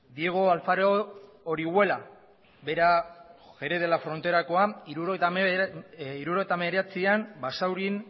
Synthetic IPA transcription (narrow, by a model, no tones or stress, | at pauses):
d̪ie̞ɣ̞o̞alfaɾo | oɾiɣwe̞la | beɾaɣe̞ɾeð̞e̞lafɾo̞nt̪e̞ɾako̞aiɾuɾoejt̪a | iɾuɾo̞ɣ̞et̪ame̞ɾeat͡siambasawɾin